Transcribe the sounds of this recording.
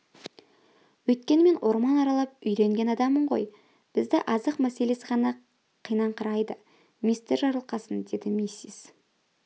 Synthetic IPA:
wɵt̪̚kʲe̞nɪme̞nwʔo̞ɾmɑnɑɾɑlˠɑp̚ʏjɾe̞ŋɡʲe̞nɑd̪ɑməɴʁo̞̰j | b̥ɪzd̪ɪʔɑzəqmæse̞le̞sɪʁɑnɑ | qʰijnɑɴqʰəɾɑjd̪ə | mist̪eɾʒɑɾlˠqɑsənd̪e̞d̪ɪmisis

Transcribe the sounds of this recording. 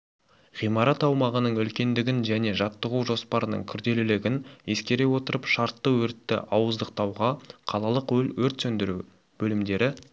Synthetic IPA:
ʁijmɑɾɑt̪ɑwmɑʁənəɴʏlkʲe̞nd̪ɪɡʲɪnʒæne̞ʒɑt̪ːəʁuʒo̞spɑɾənə̰ɴkʲʰʏɾd̪e̞lɪlɪɡʲɪne̞skʲe̞ɾe̞wo̞t̪əɾəpʃɑɾt̪ːəwɵɾt̪ːɪ̰ʔɑwəzd̪əq̚t̪ɑwʁɑqʰɑlˠɑlˠəqwɵlwɵɾt̪sɵnd̪ɪɾu | b̥ɵlɪmd̪e̞ɾɪ

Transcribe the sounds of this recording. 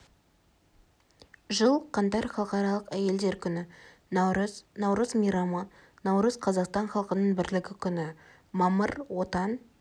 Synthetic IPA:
ʒəlˠqʰɑnt̪ɑɾχɑlˠqɑɾɑlˠəqæje̞ld̪e̞ɾkʲʰʏnɪ | nɑɾznɑwɾəzmijɾɑmon | nɑwɾəz̥qʰɑzɑqst̪ɑɴχɑlˠqənəɴbɪɾlɪɡʲɪkʲʰʏnɪ | mɑməɾwo̞t̪ɑn

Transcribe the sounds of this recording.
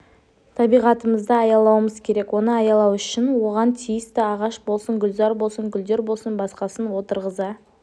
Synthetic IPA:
t̪ʰɑbijʁɑt̪əməzd̪əɑjɑlˠɑwəməzkʲʰe̞ɾe̞kwo̞nəɑjɑlˠɑwʏʃɪnwo̞ʁɑnt̪ʰijɪst̪ɪɑʁɑʃbolˠsəŋɡʲʏlzɑɾbo̞lˠsəŋɡʲʏld̪e̞ɾbo̞lˠsənbɑsqɑsənwo̞t̪əɾʁəzɑ

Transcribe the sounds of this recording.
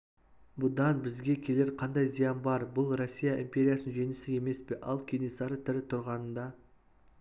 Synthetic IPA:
bʊd̪ɑnbɪzɡʲe̞kʲʰe̞le̞ɾqʰɑnd̪ɑjzijɑnbɑɾbʊlˠrosʲːijaʔimpʲe̞ɾʲijasənʒe̞nɪsɪe̞me̞spe̞ʔɑlˠkʲʰe̞nesɑɾət̪ʰɪɾɪt̪ʰʊɾʁɑnənd̪ɑ

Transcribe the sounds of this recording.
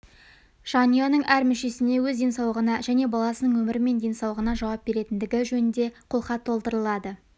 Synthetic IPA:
ʒ̥ɑnijonəɴʔæɾmʏʃe̞sɪne̞wɵzd̪e̞nsɑwlˠəʁənɑʒæne̞bɑlˠɑsənəɴwɵmɪɾɪme̞nd̪e̞nsɑwlˠəʁənɑʒɑwɑp̚b̥e̞ɾe̞t̪ɪnd̪ɪɡʲɪʒɵnɪnd̪e̞qʰʊlˠχɑt̪ʰːo̞lˠt̪əɾəlˠɑd̪ə

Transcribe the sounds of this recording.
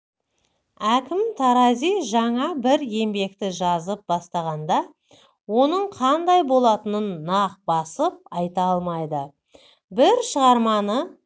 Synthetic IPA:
ækʲɪmt̪ʰɑɾɑzijʒɑɴɑbɪɾe̞mbe̞kt̪ɪʒɑzəp̚bɑst̪ɑʁɑnd̪ɑ | wo̞nəɴqʰɑnd̪ɑjbo̞lˠɑt̪ənənːɑq̚bɑsəp̚ɑjt̪ɑɑlˠmɑjd̪ə | bɪɾʃəʁɑɾmɑnə

